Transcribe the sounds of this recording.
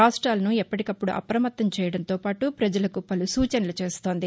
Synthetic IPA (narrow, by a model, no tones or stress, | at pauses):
aːsʈɾaːlɐnuɛpːɐʈikɐpːuɽuʔɐ̰pɾɐmɐt̪ːɐmt͡ʃɛːjɐɽɐnt̪o̞ːpaːʈupɾɐd͡ʒɐlɐkupɐlusuːt͡ʃɐnɐlut͡ʃe̞ːst̪o̞ːnd̪i